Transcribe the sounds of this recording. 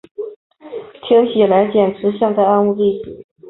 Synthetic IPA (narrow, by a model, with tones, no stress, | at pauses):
t̪ʰjɛ˥ŋɕi˨˩la˧˥ɪt͡ɕjɛ˨˩nʈ͡ʂʰɻ̩˧˥ɕjɑ˥˧ŋt̪a˥˧a˥˧nu˥˧li˥˩t͡ɕi˨˩˦